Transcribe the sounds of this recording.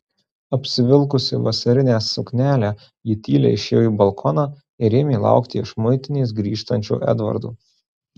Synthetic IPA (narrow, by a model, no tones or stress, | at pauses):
ɐpʲsʲɪʋʲɪlˠkʊsʲɪʋɐsɐɾʲɪnʲɛːsʊkʲnʲæːlʲæː | jɪt̪ʲiːlʲɛ̰ɪʃʲeːjiːbɐlˠkʰɔnɑː | ɪɾʲeːmʲeːlˠɑ̰ʊkt̪ʲiɪʃmʊɪt̪ʲɪnʲeːs̬ɡɾʲiːʃt̪ɐnʲt͡ʃʲṵːʔɛ̰d̪ʋɐ̰ɾd̪ṵː